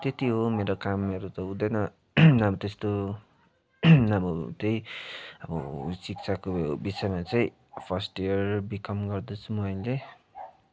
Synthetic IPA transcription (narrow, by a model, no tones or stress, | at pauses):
t̪et̪iɦomeɾokamʌɾut̪ʌud̪ʌjnʌ | ʌbʌt̪est̪o | nabʌt̪ejʌbʌ̰sik̚t͡sʰakobisʌjmat͡sʌĩ | pʰʌsʈijʌrbikʌmɡʌrd̪ot͡sʰumʌile